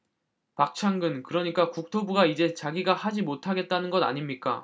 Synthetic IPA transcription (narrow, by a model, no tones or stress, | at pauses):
pak̚t͡ɕʰaŋɡɯnkɯɾʌɲik͈akuk̚tʰobuɡaid͡ʑe̞t͡ɕaɡiɡahad͡ʑimotʰaɡe̞t̚t͈anɯnɡʌda̰ɲimɲik͈a̰